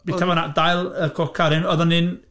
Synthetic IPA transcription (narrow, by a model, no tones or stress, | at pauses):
b̥itʰabɔnaʔdajlˠəkʰɔkʰaɾɪnɔðɔnɪn